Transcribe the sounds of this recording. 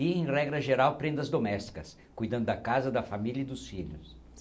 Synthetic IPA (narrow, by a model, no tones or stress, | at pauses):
iẽj̃rɛɡɾɐʒeɾawpɾẽnd̪ɐzd̪omɛst͡ʃ̪i̥kɐs | kujd̪ɐ̃nd̪ʊd̪ɐkazɐd̪ɐfamilɐɪd̪ʊsfiʎʊs